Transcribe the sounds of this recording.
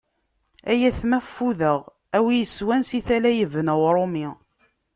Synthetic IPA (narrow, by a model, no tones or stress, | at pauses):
æjæθmæfːuðəʁ | æwijəswænsiθælæjəvənəwɾˤomi